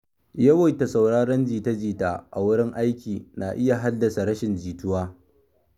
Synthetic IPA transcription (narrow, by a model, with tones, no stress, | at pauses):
jɐ˦wɐ˨jta˨sa˨wɽaː˦ɽɐ˦nd͡ʒiː˨tɐ˦d͡ʒiː˨taː˦ʔa̰˨wʊ˦ɽɪ˦ŋʔa˦jkʲiː˨naː˨ʔɪ˦ja˨ɦa˦dːɐ˨sa˨ɾɐ˦ʃɪ˨nd͡ʒiː˨tʊ˦waː˦